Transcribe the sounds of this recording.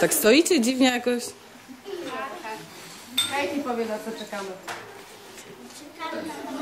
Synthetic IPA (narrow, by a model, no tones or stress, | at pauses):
t̪akst̪ɔit͡ɕɛd͡ʑivɲɛjakɔɕ | kajtipɔvʲjɛnat̪ɔt͡ʂɛkamɛ